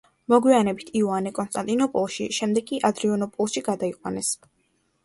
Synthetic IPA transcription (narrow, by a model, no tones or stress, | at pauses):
mɔɡwianɛbit̪ʰiuanɛkʼɔnst̪ʼant̪ʼinɔpʼɔlˠʃiʃɛmd̪ɛɡkʼːiʔad̪ɾiɔnɔpʼɔlˠʃiɡad̪aiqʼwa̰nɛs